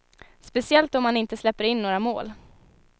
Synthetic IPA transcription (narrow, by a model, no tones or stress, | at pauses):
spɛsɪɛlt̪ɔmːanɪnt̪əslɛpːəɾɪnːoːɾamo̰ːl